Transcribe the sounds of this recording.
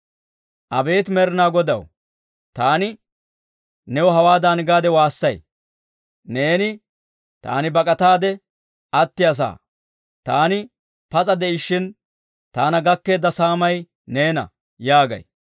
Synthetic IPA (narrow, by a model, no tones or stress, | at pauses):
ʔɐbe̞ːt̪mɛɾɪnaːɡɔd̪ɐ̰w | t̪aːnɪ | nɛwɔɦɐwaːd̪anɪɡaːd̪ɛwaːsːɐj | ne̞ːnɪ | t̪a̰ːnɪbɐkʼɐt̪aːd̪ɛ | ɐt̪ːɪjɐs̬a̰ː | t̪aːnɪ | pɐt͡sʼɐd̪ɛɪʃːɪn | t̪aːnɐɡɐkːe̞ːd̪ːɐsaːmɐj | ne̞ːnɐ̰ | jaːɡɐ̰j